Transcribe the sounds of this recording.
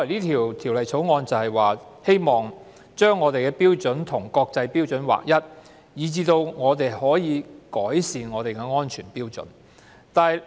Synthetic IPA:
ɐ˨˩niː˥t̪ʰiː˨˩wt̪ʰi˨˩wlɐ˨jt͡sʰo˨˥wŋɔː˧nt͡sɐ˨whɐ˨jwaː˨ | he˥jmɔː˨ŋ | t͡ʃœː˥ŋːɔː˨˧t̪e˨jkɛː˧piː˥wt͡sɵ˨˥nt̪ʰʊ˨˩ŋkɔː˧k̚t͡sɐ˧jpiː˥wt͡sɵ˨˥nwa̰ː˨k̚jɐ˥t̚ | jiː˨˧t͡siː˧t̪o˧wŋɔː˨˧t̪e˨jhɔː˨˥jiː˨˧kɔː˨˥jsiː˨nŋɔː˨˧t̪e˨jkɛː˧ŋɔː˥nt͡ʃʰyː˨˩npiː˥wt͡sɵ̰˨˥n | t̪aː˨

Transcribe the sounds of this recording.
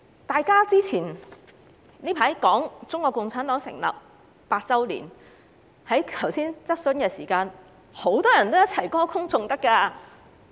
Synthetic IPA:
t̪aː˨˧jkaː˥t͡siː˥t͡sʰiː˨˩n | nliː˥pʰaː˨˥jkɔː˨˥ŋt͡sʊ˥ŋkɔː˧kːʊ˨ŋt͡sʰaː˨˥nt̪ɔː˨˥ŋsɪ̰˨˩ŋlɐ̰ː˨p̚ | paː˧t̚t͡sɐ˥wlḭː˨˩n | hɐ˨˥jk̪ʰɐ˨˩wsiː˥nt͡sɐ˥t̚sɵ˨˥nkɛː˧siː˨˩kaː˧n | ho˨˥wt̪ɔː˥jɐ˨˩nt̪o˥wjɐ˥t̚t͡sʰɐ˨˩jkɔː˥kʰʊ˥ŋt͡sʊ˧ŋt̪ɐ˥kːaː˧

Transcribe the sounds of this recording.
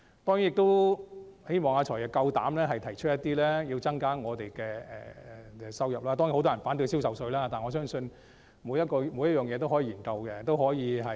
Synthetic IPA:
t̪ɔː˥ŋji˨˦njɪ˨k̚t̪o˥w | he˥jmɔː˨ŋaː˨˧t͡ʃʰɔː˨˩jkɐ˧wt̪a̰ː˨˥mlɛː˥ɦɐ˨jt̪ʰɐ˨˩jt͡ʃʰɵ˥t̚jɐ˥t̪iː˥lɛː˥jiː˧wt͡sɐ˥ŋkaː˥ŋɔː˨˧t̪e˨˩jkɛː˧ɛ̰ː˨˩ɛ˧sɐ˥wjɐ˨p̚laː˥t̪ɔː˥ŋjhwt̪ɔː˥jnfaː˨˥nt̪ɵ˧si˥wsɐ˨wsɵ˧ɥlaː˥t̪aː˨˩nŋɔː˨˧s̬œː˥ŋsɵ˧n | muː˨˧jɐ˥t̚kɔː˧muː˨˧˥jɐ˥jœː˨˩ŋjɛː˨˧t̪o˥wɦɔ˨˥jːjiː˨˩nkɐ˧wkɛ˧t̪o˥wɦɔː˨˥jiː˨˧ɦɐ˨

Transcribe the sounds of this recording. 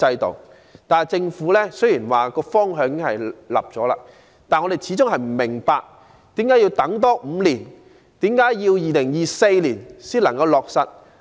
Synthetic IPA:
t͡sɐ˧jt̪o̰˨˩w | t̪aː˨t͡sɪ˧ŋfuː˨˥lɛː˥sɵ˥jiː˨˩nwaː˨kɔː˧fɔː˥ŋɦœː˨˧˥ŋkɪ˥ŋhɐ˨jlɐ̰˨p̚t͡sɔː˨˥la̰ː˧ | t̪aː˨nŋɔ˧ɾe˨˩jt͡sʰiː˨˥t͡sʊ˥ŋɦɐ˨jm̩˨˩mɪ˨˩ŋpaː˧k̚ | t̪iː˨˥mkaː˨˥jiː˧wt̪ɐ˨˥ŋt̪̬ɔː˥m̩ː˨˧li˨˩n | t̪iː˨˥mkaː˨˥jjiː˧wjiː˨lɪ˨˩ŋjiː˨se˧jliː˨˩nsiː˥nlɐ˨˩ŋkɐ˧wlɔː˨k̚sɐ˨t̚

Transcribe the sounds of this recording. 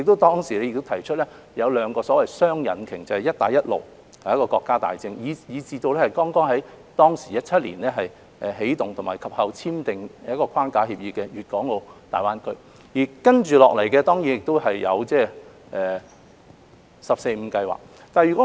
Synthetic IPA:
jɪ˨k̚t̪o˥wt̪ɔː˥ŋsiː˨˩ɛ˥jɪ˨k̚t̪o˥t̪ʰɐ˨˩jt͡ʃʰɵ˥t̚lɛː˥ | jɐ˨˧wlœː˨˧ŋkɔː˧sɔː˨˥wɐ˨jsœː˥ŋjɐ̰˨˥nkʰɪ˨˩ŋt͡sɐ˨˩hɐ˨jɐ˥t̚t̪aː˨jɐ˥t̚lo̰˨w | hɐ˨jɐ˥kɔː˧kɔː˧kːaː˥t̪a̰ː˨jt͡sɪ˧ŋjiː˨˧jiː˨˧t͡siː˧t̪o˧wlɛː˥hɐ˨jkɔː˥ŋkɔː˥ŋɦɐ˨˥j | t̪ɔː˥ŋsiː˨˩jɐ˥t̚t͡sʰɐ˥t̚liː˨˩nlɛː˥ɦɐ˨j | ʔɛː˨˩ɦe˨˥jt̪ʊ˨ŋt̪ʰʊ˨˩ŋmaː˨˩jkʰɐ˨p̚hɐ˨wt͡sʰiː˥mt̪ɪ˨ŋ˦ɐ˥kːɔː˧kʰwaː˥nkaː˧hiː˧p̚jiː˧kɛː˧jyː˨t̚kɔː˨˥ŋo˨˧t̪a̰ː˨˩jwaː˥nkɵ˥˧˥ | jiː˨˩kɐ˥nt͡ʃyː˨lɔ̰ː˨klɐ˨˩jkɛː˧t̪ɔː˥ŋji˨˥njɪ˨k̚t̪o˥whɐ˨jːɐ̰˨˧wt͡sɛː˥ | ʔɛː˨ | sɐ˨p̚se˧jm̩˨˧kɐ˧jwa̰ː˨k̚ | t̪aː˨jyː˨˩kɔ˨˥

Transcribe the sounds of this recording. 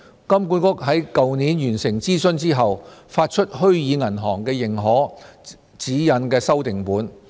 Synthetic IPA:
kɐ˥mkuː˨˥nkʊ˥k̚ɦɐ˨˥jkɐ˨wniː˨˥njyː˨˩nsɪ˨˩ŋt͡siː˥sɵ˥nt͡siː˥ɦɐ˨wfaː˧t̚t͡ʃʰɵ˥t̚hɵ˥ɥjiː˨˧ŋɐ˨˩nɦɔː˨˩ŋkɛː˧jɪ˨˩ŋɦɔː˨˥ | t͡siː˨˥jɐ˨˥nkɛː˧sɐ˥wt̪ɪ˨ŋpuː˨˥n

